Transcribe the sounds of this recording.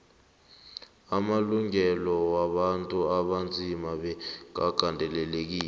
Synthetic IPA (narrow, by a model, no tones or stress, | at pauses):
amaluŋɛlɔwaɓantʼuaɓand͡zʱimaɓɛŋaɡ̥ʱandʱɛlɛlek̬iːlɛ